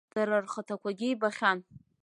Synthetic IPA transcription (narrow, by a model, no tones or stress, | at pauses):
d̥aɾarχətʰakʷʰaɡʲɪjbaχʲan